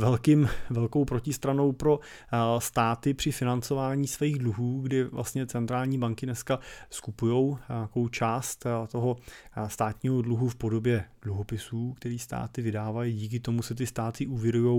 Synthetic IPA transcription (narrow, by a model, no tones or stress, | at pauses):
vɛlkɪmvɛlko̞wpɾo̞cɪst̪ɾano̞wpɾo̞ | st̪aːt̪ɪpr̥ɪfɪnant͡so̞vaːɲiːsviiːɣdluɦuːɡdɪvlʔa̰st̪ɲɛt͡sɛnt̪ɾaːlɲiːbaŋkɪnɛskaskupujo̞wɲakowt͡ʃaːst̪t̪o̞ɦo̞st̪aːt̪ɲiːɦo̞dluɦufpo̞do̞bjɛd̥luɦo̞pɪsuːkt̪ɛɾiːst̪a̰ːt̪ɪvɪdaːvajiɟiːk̬ɪt̪o̞musɛt̪̬ɪst̪aːt̪ɪʔuːvjɛɾujo̞w